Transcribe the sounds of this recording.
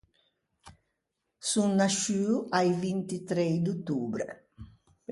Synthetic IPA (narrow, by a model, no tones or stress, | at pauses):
sunːaʃyːuʔajvint̪it̪ɾɛjd̪ut̪uːbɾḛ